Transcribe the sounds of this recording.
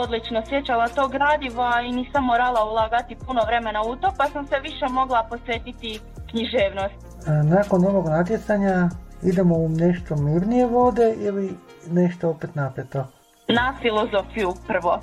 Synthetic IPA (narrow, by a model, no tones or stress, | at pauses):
od̪lit͡ʃnosjet͡ɕalat̪o̞ːɡɾaːd̪iʋainiːsamːoːɾalˠaulˠaːɡat̪ipuno̞ʋɾe̞me̞naut̪o̞pasamseʋiʃe̞mo̞ɡlˠaposʋeːt̪it̪i | kɲiʒeːʋnost̪ | naːko̞no̞ʋo̞ɡnat̪jet̪saɲaid̪e̞moneʃt̪o̞miɾnije̞ʋo̞d̪e̞ili | neʃt̪oopet̪napet̪o̞ | nafilo̞zo̞ːfijupr̩ʋo̞